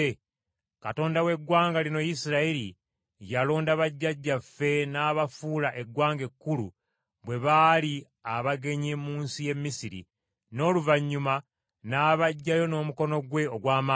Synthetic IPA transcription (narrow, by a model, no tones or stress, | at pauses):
kato̞ːndawe̞ɡwaːŋɡalino̞jisiɾaeɾi | jalo̞ːndaβaɟːaɟːafe̞naːβafulaʔe̞ɡwaːŋɡe̞kːulu | βwe̞βaːli | aβaɡe̞ɲemuːnsije̞mːisiɾḭ | no̞ːluvaɲːuma | naːβaɟːajo̞no̞ːmuko̞no̞ɡwe̞oɡwaːma